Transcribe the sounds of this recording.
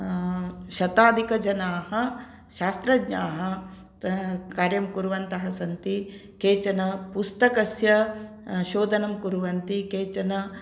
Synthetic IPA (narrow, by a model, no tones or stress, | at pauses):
ʃɐt̪aːd̪ʱikɐd͡ʒɐnaːhɐ | ʃaːst̪ɾɐɡɲaːɦɐ | kaːɾjɐmkuɾuʋɐnt̪ɐɦɐsɐnt̪i | keːt͡ʃɐnɐpust̪ɐkɐsjɐ | ʃoːd̪ɐnɐmkuɾuʋɐnt̪ikeːt͡ʃɐnɐ